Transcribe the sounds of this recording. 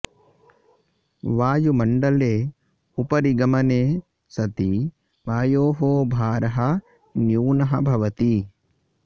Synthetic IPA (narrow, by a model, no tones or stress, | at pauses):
ʋaːjumɐɳɖɐleː | upɐɾiɡɐmɐneː | sɐt̪i | ʋaːjoːɦoːbʱaːɾɐɦɐ | njuːnɐɦɐ̆bʱɐʋɐt̪i